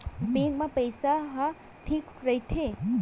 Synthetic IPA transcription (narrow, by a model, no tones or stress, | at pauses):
beŋɡmapəjsaɦɐ | ʈʰikɾəɦit̪ʰe